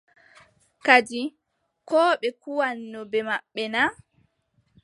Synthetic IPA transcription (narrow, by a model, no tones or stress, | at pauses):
kad͡ʒi | kɔːɓɛkuwanːɔbɛmaɓːɛna